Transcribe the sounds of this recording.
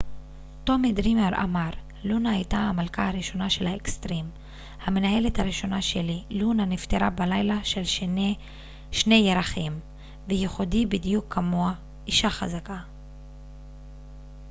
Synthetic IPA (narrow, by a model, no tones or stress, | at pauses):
tomidʁimeɾʔa̰maʁ | lunaajtahamalkahaɾiʃo̞naʃe̞lhaekst̪ʁim | hame̞naɦe̞lethaɾiʃo̞naʃelilunanift̪eɾabalajlaʃel | ʃne̞jeɾaχim | vejeχodibidijukʰːamoa | ʔiʃaχazaka